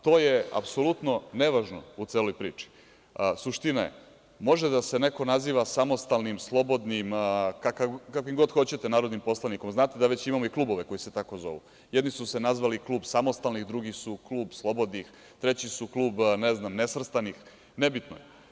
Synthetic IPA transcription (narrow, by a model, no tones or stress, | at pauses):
t̪o̞ːjea̰pso̞lˠut̪no̞neʋaʒnout̪seːlojpɾiːt͡ʃi̥ | suʃt̪inajḛ | mo̞ʒed̪asene̞ko̞naziːʋasamo̞st̪alˠnimslˠo̞bo̞d̪nimkakakakoimɡo̞d̪xo̞t͡ɕe̞t̪enaːɾod̪nimpo̞slˠaniko̞mznaːt̪ed̪aʋe̞t͡ɕimamoiklˠuːbo̞ʋeko̞jiset̪ako̞zo̞̰ʋṵ | jed̪nisusenazʋaliklˠuːbsamost̪alnixd̪ɾuɡisukluːbslˠo̞bo̞d̪nix | t̪ɾet͡ɕisuklˠuːbneznamnesʋr̩st̪anix | nebit̪no̰j